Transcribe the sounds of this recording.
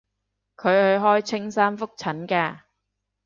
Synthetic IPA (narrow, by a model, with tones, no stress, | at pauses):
kʰɵ˨˧ɥhɵ˧ɥɦɔː˥jt͡sʰɪ˥ŋsaː˥nfʊ˥k̚t͡sʰɐ˨˥nkɛː˧